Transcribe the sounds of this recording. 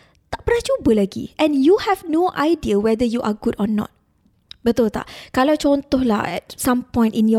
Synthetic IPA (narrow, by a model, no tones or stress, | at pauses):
t̪aʔpəɾat͡ʃubəlaɡḭʔɛ̃njuhɛvnoʔajdiəwɛd̪əjuʔaɡudɔnɔ̰̃t̪̚ | bət̪ʊlt̪a̰ʔkalawt͡ʃɔnt̪ɔhla̰ɛ̰t̚sãmpɔ̃j̃ntĩnjɔ